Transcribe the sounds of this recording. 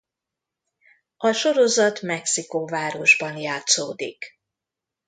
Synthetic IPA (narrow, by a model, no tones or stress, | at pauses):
ɒʃo̞ɾo̞zɒt̪mɛksikoːvaːɾo̞ʒbɒnjaːt̪soːd̪ḭk